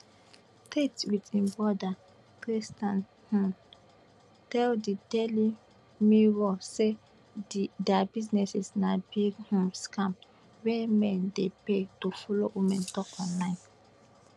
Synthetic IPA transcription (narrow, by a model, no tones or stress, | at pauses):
tetwitĩnbɔda | kɹistãn | hũn | tɛldidɛli | miɹose | ddɛabiznɛsɛsnabiɡhɔ̃mskãm | wɛmɛ̃ndepetofɔlowimɛ̃ntɔkɔ̃nlãɪ̃n